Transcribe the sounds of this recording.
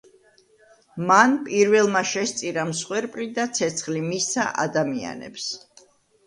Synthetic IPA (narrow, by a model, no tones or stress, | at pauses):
manpʼiɾvɛlˠmaʃɛst̪sʼiɾamsχwɛɾpʼlid̪at̪sʰɛt̪sʰχlimisa̰ʔa̰d̪amia̰nɛ̰ps